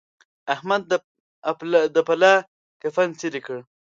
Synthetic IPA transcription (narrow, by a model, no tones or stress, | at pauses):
ahmad̪̚ | d̪əpala | kafant͡silikəɽ